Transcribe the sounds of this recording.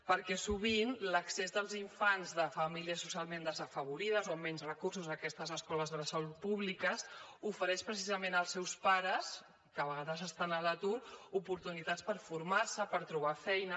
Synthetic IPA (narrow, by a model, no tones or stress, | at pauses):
pəɾkɛsuβ̞inləksezðəlˠziɱfanzðəfəmiliəsu̥sialˠmend̪əzəfəβuɾiðəzoəmːɛnzrəkursuzəkɛst̪əzəskɔləzðələsəlut̪̚puβlikəsufəɾɛʃpɾəs̬izəmenəlˠsːɛwspaɾəs | kəβəɣ̞aðəzəst̪anələt̪uɾupuɾt̪unit̪at͡spəɾfuɾmaɾsəpəɾt̪ɾuβ̞afɛjnə